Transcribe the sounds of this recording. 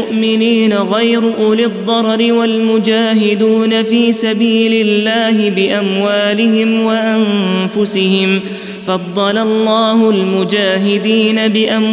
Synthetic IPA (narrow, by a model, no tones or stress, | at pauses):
ʊʔmɪniːnaɣajɾʊʔʊːlɪd̪ˤːɑɾˤɾɪwalmʊd͡ʒaːɦɪd̪uːnafiːsabiːlɪlːaːhɪbɪʔamwaːlɪhɪmwaʔanfʊsɪhɪm | fɑd̪ˤːɑlalˤːɑːhʊlmʊd͡ʒaːɦɪd̪iːnabɪʔam